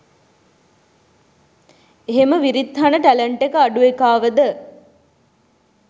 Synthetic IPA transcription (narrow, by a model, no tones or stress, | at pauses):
eɦeməʋiɾit̪ːɦanəʈæləɳʈekəaɖuekaːʋəd̪ə